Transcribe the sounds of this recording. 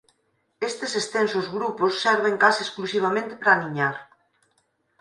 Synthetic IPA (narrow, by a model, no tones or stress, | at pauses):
est̪esest̪ensozɣɾuposːɛɾβ̞eŋkaseesklusiβ̞amẽnt̪ɪ̥pɾaːniɲaɾ